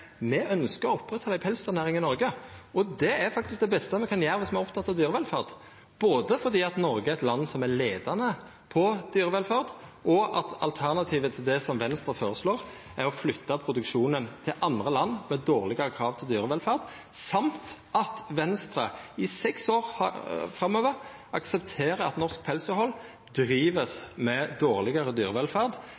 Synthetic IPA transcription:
mɛʔœnskəɾɔɔpːʁɛt̪ʰːɑd̪æɪpʰɛlst̪ʉʁnæːɾɪŋɪnɔɾɡəɔd̪ɛæɾfɑkt̪ɪsk̚d̪ɛbɛst̪əmɛkʰɑnjæːɾəʋɪsmɛæʁɔpt̪ʰɑt̪ːɑʋd̪yːɾəʋɛlfɑʁd̪ | b̥oːd̪əfɔʁd̪iːɑt̪nɔɾɡəæɾɛt̪lɑnːsɔmæɾleːd̪ɑnə | pʰɔd̪̥yːɾəʋɛlfɑʁd̪ʔɔʔɑ̰t̪ɑ̰lt̪ʰæʁnɑt̪ʰiːʋət̪ʰɪld̪ɛsɔmʋɛnst̪ɾʁəfoːɾəsloːɾ | æʁɔflʏt̪ːɑpʰɾʊd̪ʉkʃuːnənt̪ʰɪlʔɑnd̪ʁəlɑnːmɛd̪oːʁlɪɡɑʁəkʰɾɑːʋt̪ʰɪld̪yːʁəʋɛlfæːʁd̪ | sɑmt̪ʔɑt̪ʋɛnst̪ɾɑɪsɛksoːʁhɑfɾɑmːøːʋəʁ | ɑksɛpt̪ʰeːʁəɑ̰t̪nɔʁsk̚pʰɛlsʊhɔlː | d̪ʁiːʋəsmɛd̪oːʁlɪɡɑɾəd̪yːʁəʋɛlfæʁd̪

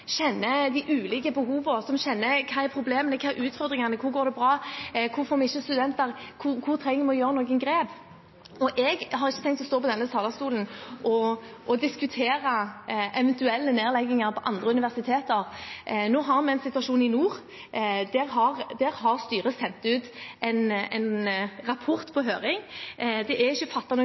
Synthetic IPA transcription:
ɕɛnːəd̪ɪʔʉːlɪkəbəɦuːʋəsɔmɕɛnːəkʰɑːɛɾpʰɾʊbleːmənəkʰɑːɛɾʔʉːt̪fɔɾd̪ʁɪŋɑnəkʰʊɾɡoːɾd̪ɛbɾɑːkʰʊɾfɔɾmɛɪçːəst̪ʉd̪ɛnt̪əɾkʰʊkʰʊʁt̪ʰɾɛŋːəmɛɔjøːɾənoːɡənɡɾeːb | ɔʔɛɡɦɑɾɪçːət̪ʰɛŋkt̪ɔst̪oːpɔd̪ɛnːəst̪ʰɑːlɑst̪uːlənʔɔʔɔd̪ɪskʉt̪ʰeːɾəʔɛʋɛnt̪ʉɛlːəneːʁlɛɡːɪŋəɾpʰɔʔɑnd̪ʁəʉnɪʋæʁsɪt̪ʰeːt̪əʁnoːɦɑʁmɛɛɪnsɪt̪ʉɑʂuːnɪnuːɾ | d̪ɛʁɦɑʁd̪ɛʁɦɑʁst̪yːʁəsɛnt̪ʉːt̪ɛɪnɛ̰ɪnʁɑpʰɔʁt̪pʰɔɦøːʁɪŋd̪ɛʔæɪçːəfɑt̪ːɑnu

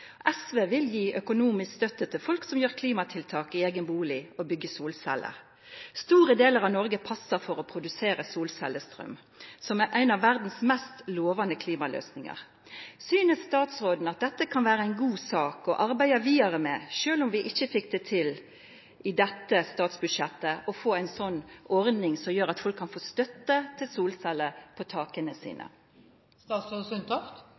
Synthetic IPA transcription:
ʔɛsʋeːʋɪljiːʔœkʊnuːmɪskst̪œt̪ːət̪ʰɪlfɔlksɔmjøːʁkʰliːmɑt̪ʰɪlt̪ʰɑːkɪeːɡənbuːlɪɔbʏɡːəsuːlsɛ̰lːə̰ | st̪uːʁəd̪eːləʁɑʋnɔɾɡəpʰɑsəɾfɔɾɔpʰʁʊd̪ʉseːɾəsuːlsɛ̰ləst̪ɾœ̰m | sɔmæʔæɪnɑʋːæʁd̪n̩smɛst̪loːʋɑnəkʰliːmɑlø̰ːsnɪŋɑ̰ʁ | syːnəsːt̪ɑːt̪sʁoːd̪n̩ɑt̪̚d̪ɛt̪ːəkʰɑnʋæːʁəæɪnɡuːsɑːkɔʔɑɾbæɪɑʋiːɑʁəmɛːʃøːlʊmʋɪʔɪçːəfɪk̚d̪ɛt̪ʰɪl | ʔɪd̪ɛt̪ːəst̪ɑːt̪sbʉd̪ʃɛt̪ːəɔfoːæɪnsɔnːɔʁd̪nɪŋsɔmjøːɾɑt̪fɔlkʰːɑnfoːst̪œt̪ːət̪ʰɪlsuːlsɛlːəpʰɔt̪ʰɑːkənəsḭːnə̰ | st̪ɑːsosʉnt̪ʰɑft̪

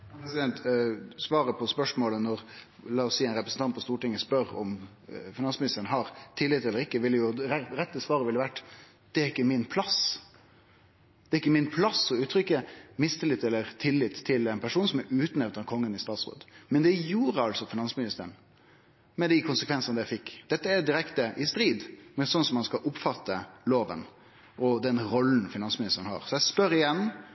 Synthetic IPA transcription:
pɾɛsɪd̪ɛnt̪sʋɑːɾəpʰɔspœʂmoːlənɔɾ | lɑːɔsiːɛɪnɾɛpɾəsn̩t̪ɑnt̪̚pɔst̪uːʈɪŋːəspœɾɔ̰m | fɪnɑnsmɪnɪst̪əɾənɦɑɾt̪ʰɪlːɪt̪ːɛlːəɾɪkːəʋɪlːəjʊɾɛɾɛt̪ːəsʋɑːɾəʋɪlːəʋæʈː | d̪̥ɛæɾɪkːəmɪnpʰlɑs | d̪̥ɛːɾɪkːəmɪnpʰlɑsɔʉːt̪ːɾʏkːəmɪst̪əlɪt̪ːɛlːəɾt̪ʰɪlːɪt̪ʰːɪlɛɪnpʰæʂuːnsɔmɛɾʉːt̪nɛʋt̪ɑkʰɔŋːənɪst̪ɑːt̪sʁo̰ːd̪mɛnd̪ɛjuːɾəɑlsɔfɪnɑnsmɪnɪst̪əɾəɳ | mɛd̪ɪkʰʊnsəkʰʋɛnsɑnəd̪jæɪfɪkːd̪̥ɛt̪ːəæd̪ɪɾɛkt̪əʔɪst̪ɾiːd̪mɛsɔnsɔmɑnskɑʔʊpfɑt̪ːəloːʋə̰n | ʔɔd̪ɛnɾɔlːn̩fɪnɑnsmɪnɪst̪əɾəɳhɑ̰ːɾsɔjæɪspœɾɪjɛnː

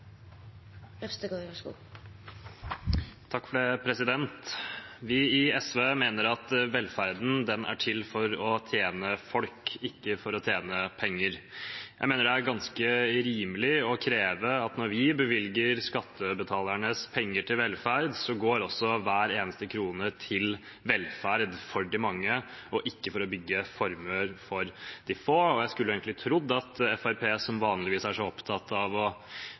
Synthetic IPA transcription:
st̪əɡoːɑʂṵ | t̪ʰɑkːfɔɖɛpʰɾɛsɪd̪ɛnt̪ʋɪɪɛsʋeːmeːnəɾɑt̪ʋɛlfæɾd̪n̩d̪ɛnʔæ̰ʈʰɪlfɔɾɔt̪ʰjeːnəfɔlkɪkːəfɔɾɔt̪ʰjeːnəpʰɛŋːəɾjjæɪmeːnəɖɛæɾɡɑnskəɾiːməlɪɔkʰɾeːʋəɑt̪nɔɾʋɪbəʋɪlɡəɾskɑt̪ʰːəbət̪ʰɑːlæɳəspʰɛŋːəʈʰɪlʋɛlfæɾd̪sɔɡoːɾɔsːɔʋæːɾeːnəst̪əkʰɾuːnət̪ʰɪl | ʋɛlfæɾd̪fɔɖɪmɑŋːə | ɔʔɪkːəfɔɾɔbʏɡːəfɔɾmʉəɾfɔɾd̪̥ɪfoːɔjæɪskʉlːəeːɡŋk̪lɪt̪ʰɾʊd̪ːɑt̪ɛfæɾpʰeːsɔmʋɑːnlɪʋiːsæʂɔɔpt̪ʰɑt̪ːɑʋɔ

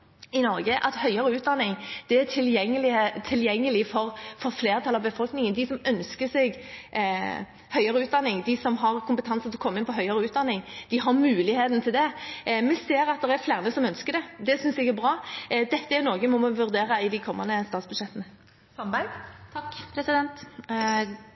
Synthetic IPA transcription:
ɪnɔɾɡəʔɑt̪hœʏɑɾəʉːt̪̚d̪ɑnːɪŋd̪̥ɛæʈʰɪljɛŋːəlɪt̪ʰɪljɛŋːəlɪfɔɾfɔɾfleːɾʁt̪ʰɑlːɑʋbəfɔlknɪŋənd̪ɪsɔmœnskəsɛɡ | hœʏɑɾəʉːt̪d̪ɑnːɪŋd̪ɪsɔmɦɑʁkʰʊmpət̪ʰɑnsət̪ʰlɔkʰɔmːəɪnpʰɔɦœʏɑɾəʉːt̪̚d̪ɑnːɪŋd̪̥ɪɦɑɾmʉːlɪheːt̪n̩t̪ʰɪld̪ɛmɛseːɾɑt̪̚d̪ɛʁæɾflæːɾnəsɔmœnskəd̪ɛd̪ɛsʏnsɛɡæɾbɾɑːd̪ɛt̪ːəæɾnɔːɡəmɔmɔʋʉɾd̪eːɾəɪd̪ɪkʰɔmːɑ̰nd̪əst̪ɑːt̪sbʉd̪ʂʃɛt̪ːənə | sɔmbæɪt̪ʰɑkːpʰɾɛsɪd̪ɛnt̪

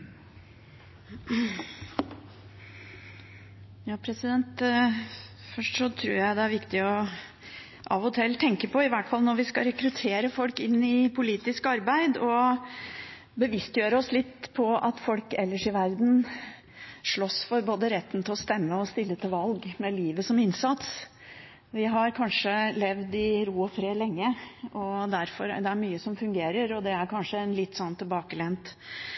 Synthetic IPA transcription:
jɑːpʰɾɛsɪd̪ɛnt̪ | fœʂʈʂɔt̪ʰɾṵːɾjæɪd̪ɛæɾʋɪkt̪ɪɔ | ʔɑ̰ʋɔt̪ʰɛlt̪ʰɛŋkəpʰɔɪʋæʈfɑlnɔɾʋɪskɑɾɛkɾʉt̪ʰeːɾəfɔlkɪnːɪpʰʊliːt̪ɪskɑɾbæɪd̪ɔ | bəʋɪst̪jøːɾəɔslɪt̪ːpʰɔɑ̰t̪fɔlkɛlːəʂɪʋæɾd̪n̩ | ʂɭɔsfɔɾboːd̪əɾɛt̪ːnt̪ʰɪlɔst̪ɛmːəɔst̪ɪlːət̪ʰɪlʋɑlɡmɛliːʋəsɔmɪnsɑt̪s | ʋɪɦɑɾkʰɑnʂəlɛʋd̪ɪɾuːɔfɾeːlɛŋːəʔɔd̪æɾfɔɾd̪ɛæɾmyːəsɔmfʉŋɡeːɾəɾɔd̪ɛæɾkɑnʂəɛnlɪt̪ːsɔnːt̪ʰɪlbɑːkəlɛnt̪

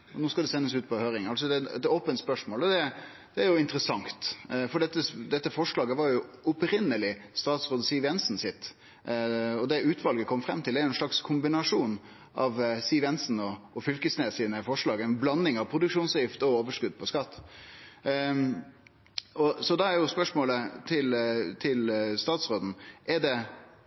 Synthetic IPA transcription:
ɔnuːskɑd̪ɛsɛnːəsʉːt̪̚pʰɔhøːɾɪŋɑlsɔd̪ɛɛ̰t̪oːpənt̪spœʂmoːlɔd̪ɛ | d̪̥ɛæɾjʊɪnt̪əɾəsɑŋt̪fɔɖɛt̪ːəsd̪ɛt̪ːəfɔʂlɑːɡəʋɑɾjʊɔpɾɪnːəlɪst̪ɑːt̪sʁoːd̪siːʋjɛnsn̩sɪt̪ː | ɔd̪ɛʔʉːt̪ʰʋɑlɡəkʰɔmfɾɛmːt̪ʰɪlæɾɛnʂɭɑkskʰʊmbɪnɑʂuːn | ʔɑʋsiːʋɛnsn̩ɔɔfʏlkəsneːsiːnəfɔʂɭɑːɡnblɑnːɪŋɑʋpʰɾʊd̪ʉkʂuːnsjɪft̪ɔoːʋəʂkʉd̪̚pʰɔskɑt̪ː | ɔsɔd̪ɑɛɾjʊspœʂmoːlət̪ʰɪlt̪ʰɪlst̪ɑːt̪sʁoːd̪n̩ʔɛɖɛ

